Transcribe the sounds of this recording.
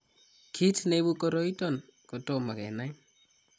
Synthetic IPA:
kʰi˦tne˦βu˦ko˦ɾo˦i˦tɔ˦˨n | ko˨to˨ma˨kɛ̰˨na˦i

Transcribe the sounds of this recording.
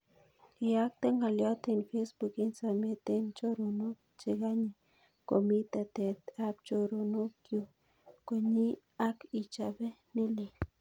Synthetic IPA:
i˨a˦k̚t̪e˦ŋɡa˨lja˦t̪e˨nfe˦sbu˨ki˦nsa˨me˦t̪e˦nt͡ʃo˦ɾo˨no˦k̚ | t͡ʃe˨ɡa˦ɲe˨ | ko˨mi˦t̪a˨t̪e˨t̪a˦p̚t͡ʃo˧ɾo˨no˦kju˨ | ko˨ɲi˦ | a˦ki˨t͡ʃa˨be˦ne˦li˨

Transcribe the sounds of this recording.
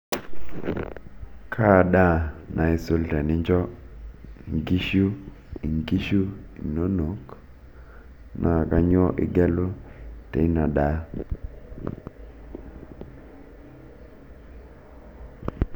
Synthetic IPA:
kʰa˦˨da˦nʔa˨ɪ˨so˦lta˨nɪ˦ɲd͡ʒɔ˦˨ | ŋɡi˦ʃu˦ | i˨ŋɡi˦ʃu˦ | i˨no˦no˨˦k | nʔa˦˨ka˦ɲɔ˦ʔɪ̰˨ɡɛ˦lo˦tḛ˨˦na˨da˦

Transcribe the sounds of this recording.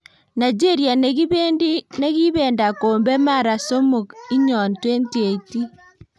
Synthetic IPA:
na˨d͡ʒe˦ɾia˨ne˨ɣi˦βeː˦ndi˦ne˦ɣi˦βeː˨nda˨koː˨mbe˦ma˦ɾa˨so˦mu˨ki˦ɲɔ˨ntwe˦ntie˨ti˦

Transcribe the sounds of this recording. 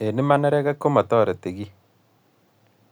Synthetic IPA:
e˨ne˦ma˦nɛ˦ɾɛ˦ɣa˦ko˦ma˨tɔ˦˨ɾe˨te˨ɣi˦

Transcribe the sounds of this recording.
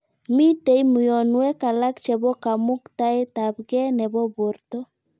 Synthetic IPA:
mi˦te˦i˦mu˨jɔ˨nwɛ˦ka˨la˦kt͡ʃɛ˨βɔ˦ka˨mu˦kta˦e˦ta˨βɣɛ˦nɛ˨βɔ˦βo˨ɾtɔ˦

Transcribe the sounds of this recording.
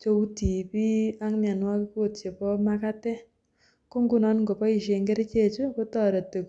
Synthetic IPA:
t͡ʃo˧u˦ti˨pi˦a˦ŋma˨nwa˦ki˦ko˦˨tt͡ʃe˨pɔ˦ma˦ka˦tɛ˦ | ko˦ŋɡu˦˨nɔ˦nŋɡo˨pɔ˦i˨ʃe˨ŋɡe˦ɾe˦t͡ʃe˦˨t͡ʃo˦ko˦tɔ˨ɾe˨tːe˨k

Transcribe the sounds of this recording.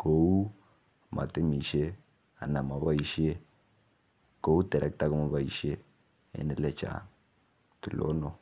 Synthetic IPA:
ko˨u˦˨ | ma̰˨te˦mi˨ʃe˦ | a̰˨na˨ma˨βa˦i˨ʃi˦e˦ | ko˨˦u˦tɛ˨ɾɛ˦k̚ta˦kɔ˦ma˨βa˦i˨ʃe˦ | ḛ˨˦nɛ˦lɛ˦˨t͡ʃa̰˨ | tu˨lɔ̰˦nɔ˨

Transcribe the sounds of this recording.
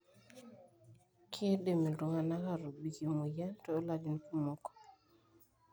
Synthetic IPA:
kʰe˦ɗe˨me˨lu˨ŋa˨na˦ka˦˨ɾo˨bi˨ki˨mu˨ja˦to˨o˦la˨di˨nku˦mɔ˨kɔ̥˨

